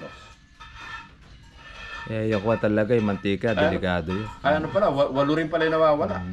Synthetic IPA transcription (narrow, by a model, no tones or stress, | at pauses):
o | ʔɛɐjɐkʊat̪ɐlɐɡajmɐnt̪iːkad̪ɛlɪkaːd̪ojoʔɐjɐnopɐlawɐwɐlʊɾɪnpɐlajʊnɐwaːwɐla